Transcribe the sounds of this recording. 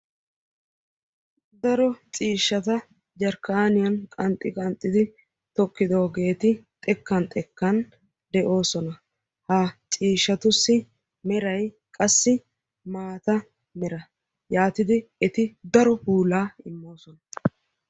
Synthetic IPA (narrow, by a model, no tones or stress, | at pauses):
d̪ɐɾɔt͡ʃʼiːʃːɐt̪ɐ | d͡ʒɐɾkɐaːnɪjɐnkʼɐnt̪ʼːɪkʼɐnt̪ʼːɪd̪ɪ | t̪ɔkːɪd̪o̞ːɡe̞ːt̪ɪt̪ʼɛkːɐnt̪ʼɛkːɐn | d̪ɛʔo̞ːsɔnɐ | hɐt͡sʼiːʃːɐt̪ʊsːɪ | mɛɾɐj | kʼɐsːɪ | maːt̪ɐ | mɛɾɐ | jaːt̪ɪd̪ɪɛt̪ɪd̪ɐɾɔpuːlaːɪmːo̞ːsɔnɐ